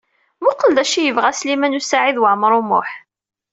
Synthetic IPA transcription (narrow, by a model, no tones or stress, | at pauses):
mʊqəld̪æʃijəvʁæslimænusaʕiðwəʕmɾˤʊmʊ̰ħ